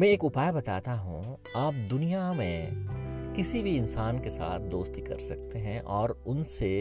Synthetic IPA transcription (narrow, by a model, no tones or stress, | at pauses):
mɛ̃eːkʊpaːjbɐt̪a̰ːt̪aɦṵ̃ | aːp̚d̪ʊnijamẽ | kɪsibʱiɪnsaːnkesa̰ːt̪̚ʰd̪oːst̪ikɐ̰ɾsɐk̚t̪eɦɛ̃ʔɔːɾʊnse